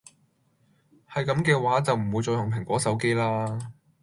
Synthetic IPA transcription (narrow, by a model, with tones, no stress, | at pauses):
hɐ˨jkɐ˨˥mkɛː˧waː˨˥t͡sɐ˨wm̩˨˩wu˨˧jt͡sɔː˧jʊ˨ŋpʰɪ˨˩ŋkʷɔː˨˥sɐ˨˥wke˥jlaː˥